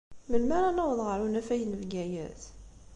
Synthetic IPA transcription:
mənmæɾˤɑnæwðˤʁəɾˤunæfæjnəvɡæjæ̰t̪

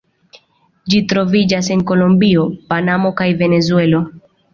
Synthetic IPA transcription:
d͡ʒitɾo̞vid͡ʒas̬e̞nko̞lombio̞panamo̞kajve̞ne̞zue̞lo̞

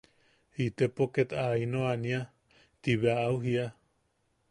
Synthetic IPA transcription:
it̪epoket̪ainoania | t̪iβeaːuɦia

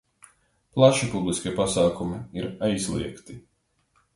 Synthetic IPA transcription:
plˠaʃipublˠiskʲipasaːkumiiɾajzlˠḭɛkt̪i

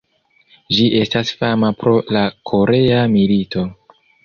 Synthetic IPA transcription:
d͡ʒiʔe̞stasfamapɾo̞lakʰo̞ɾe̞amilito̞

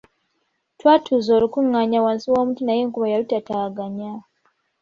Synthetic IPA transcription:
twatʰuzoːlukuŋːaɲawansiwoːmutinajeːŋkuβajalutataɡaɲa

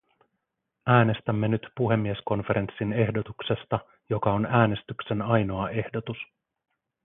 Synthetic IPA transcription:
æːne̞st̪æmːe̞nyt̪puɦe̞mːiesko̞nfe̞ɾʔe̞nsːine̞hdo̞t̪uksest̪ɑ | jo̞kɑonæːne̞st̪ykse̞nɑjno̞ɑʔe̞hdo̞t̪us

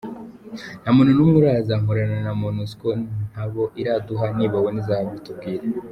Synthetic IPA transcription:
namon̤unuːmuɾaːzaŋoɾananamonuskon̥aβo̞ʔiɾaduɦaniːβawonizaːhaβitub̚ɡiːɾe

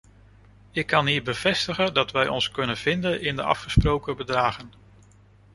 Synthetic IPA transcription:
ɪkːɑnɦiːɹbəv̥ɛstəχəndɑtʋɛjɔ̰nskɵnənv̥ɪndənɪndəɑ̰fχəsprowkəbədraːχən

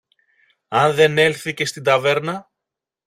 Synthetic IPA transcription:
ɐnðe̞ne̞lθice̞st̪ind̪ɐve̞ɾnɐ

